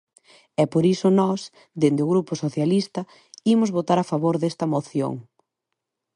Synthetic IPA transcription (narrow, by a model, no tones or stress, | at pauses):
ɛpoɾisʊnɔs | d̪end̪ɪʊɣɾupʊsoθjalist̪ɐ | imʊzβot̪aɾafaβoɾðest̪ɐmoθjo̰ŋ